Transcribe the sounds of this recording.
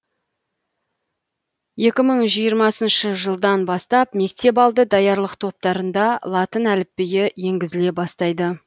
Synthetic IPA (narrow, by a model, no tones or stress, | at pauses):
je̞kʲɪməɴʒijəɾmɑsənʃəʒəlˠd̪ɑnbɑst̪ɑpme̞k̚t̪e̞p̬ɑlˠd̪əd̪ɑjɑɾlˠəqt̪ʰo̞p̚t̪ɑɾənd̪ɑlˠɑt̪ənælɪpːejɪje̞ŋɡʲɪzɪle̞bɑst̪ɑjd̪ə